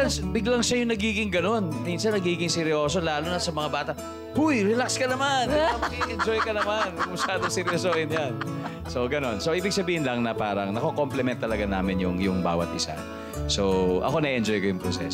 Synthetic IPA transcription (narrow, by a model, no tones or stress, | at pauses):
asbɪɡlɐŋʃɐjʊŋnɐɡiːɡɪŋɡɐno̞nminsɐnːɐɡiːɡɪŋsɪɾɪo̞ːs̬o̞laːlonɐsɐmɐŋabaːt̪ɐ | hujɾɛlakskɐnɐmanɐmɐɡiʔɛnd͡ʒojkɐnɐmankʊmʊsaːd̪oŋsɪɾjosohɪnjan | soɡɐno̞nsoʔiːbɪɡ̚sɐbiːhɪnlɐŋnɐpaːɾɐŋnɐkokomplɛmɛnt̪ːɐlɐɡanaːmɪnjʊŋjʊŋba̰ːwɐ̰t̪̚ʔɪsa̰ | so̞ʔɐ̰ko̞nɐiʔɛnd͡ʒojkojʊŋpɾosɛ̰s